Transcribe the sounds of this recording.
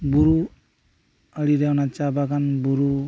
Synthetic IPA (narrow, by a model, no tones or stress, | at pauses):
buɾu | əliɾewnat͡ʃabakanbuɾu